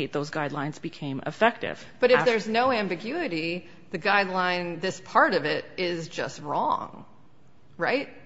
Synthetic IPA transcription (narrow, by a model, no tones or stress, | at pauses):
t̪̚ðoʊzɡaɪdˡlãɪ̃nzbɨkʰẽɪ̃mɨ̰fɛk̚tɪ̰v̥b̥ʌɾɨfðə˞znoʊæ̃mbɨɡjʉɨɾi | ðɨɡaɪdˡlãɪ̃nðɪspʰɑɹɾʌvɪɾɪzd͡ʒʌ̰st̚ɹɔ̰̃ŋ | ɹa̰ɪt̚